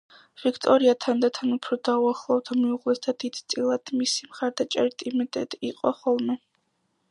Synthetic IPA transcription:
vikʰt̪ʼɔɾiat̪ʰand̪at̪ʰanupʰɾɔd̪auaχlˠɔvd̪ʰamiuʁlˠɛsd̪ad̪id̪̥t̪sʼilˠad̪̥misimχaɾd̪at͡ʃʼɛ̰ɾit̪ʼimɛt̪ʼɛ̰t̪ʼiːqʼɔχɔlˠmɛ

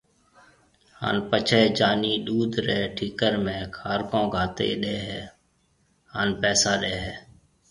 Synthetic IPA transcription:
ha̰ːnpət͡ʃʰeːd͡ʒaːniːɗuːd̪ʱɾɛːʈʰiːkəɾmẽːkʰaːɾkõːɡʱaːt̪ḛːɗeːɦɛː | haːnpɛːsaːɗeːɦɛː

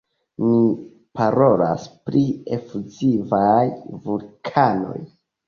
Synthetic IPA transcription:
mi | paɾo̞la̰spɾiefuzivajvulkʰano̞̰j

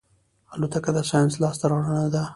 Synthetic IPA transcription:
alat̪akad̪asɑjanslɑst̪aɾawɾanad̪a

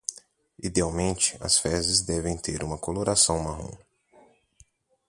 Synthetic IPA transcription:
id̪eawmẽnt͡ʃɪ̥ɐ̰sfɛzɪzd̪ɛvẽj̃t̪eɾʔũmɐkoloɾasɐ̃w̃maɦṵ̃

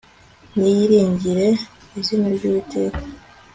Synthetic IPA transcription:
nijiɾiːɲɟiɾe̞ | izinaɾɟuːβite̞ːkḁ

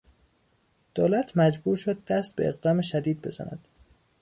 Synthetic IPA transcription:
d̪̥oːlæt̪ʰmæd͡ʒbuːɾʃod̪̚ːæst̪̚beeɣd̪ɒːmeʃæd̪iːd̪̚be̞zæ̰næ̰d̪̥

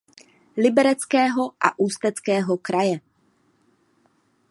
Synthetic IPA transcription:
lɪbɛɾɛt͡skɛːɦo̞ʔa̰ʔuːst̪ɛt͡skɛːɦo̞kɾajɛ

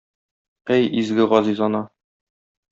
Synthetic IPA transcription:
æjizɡɘʁɒzizɒnɑ

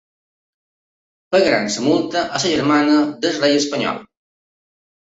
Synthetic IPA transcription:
pəɣɾa̰nsəmulˠt̪əʔəsəʒəɾmanəd̪əsrejəspəɲɔ̰lˠ

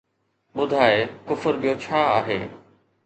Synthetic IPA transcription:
ɓʊd̪ʱaːekʊfəɾɓijot͡ɕʰaːaːɦeː

